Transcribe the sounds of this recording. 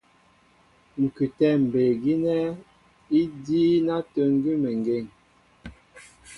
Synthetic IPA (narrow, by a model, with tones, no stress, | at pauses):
ŋ̩˨kʉ˨tɛ˦˨m̩˨be˨ɡi˦nɛ˦ | i˦diː˦na˦tə˦˨ŋɡi˦me˨ŋ˨ɡe˨ŋ